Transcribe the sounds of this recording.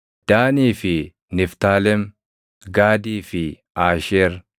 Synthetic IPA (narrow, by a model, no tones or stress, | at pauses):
d̪̥aːniːfɪ | nɪft̪aːlɛm | ɡaːd̪iːfɪ | aːʃeːɾ